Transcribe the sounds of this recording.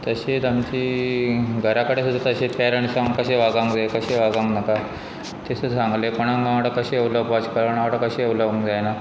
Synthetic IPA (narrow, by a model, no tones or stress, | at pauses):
t̪əɕet̪amt͡ɕiː | ɡʱəɾakəɽesud̪ʱːat̪əɕet̪aɾəɳsaŋkəɕeʋaɡãŋɡd͡zaekəɕeʋaɡãŋnaka | t̪esəsãŋɡlekoɽ̃ãŋɡãʋʈakəɕeəwləbʋat͡ɕkəɾəɳaʋʈakəɕeəwləʋũŋkd͡zajna